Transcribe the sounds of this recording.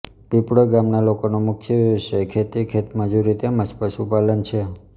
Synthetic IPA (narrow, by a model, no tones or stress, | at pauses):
pipɽəɡamnalokonomʊkʰjəiʃekʰet̪ikʰet̪məd͡ʒuɾit̪eməd͡ʒpəʃupalənt͡ʃʰe